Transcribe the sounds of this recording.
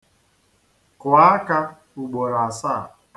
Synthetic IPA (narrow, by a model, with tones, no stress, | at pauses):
kwa˨˦a˦ka˦ | u˨ɡ͡bo˨ɾa˨sa˦˨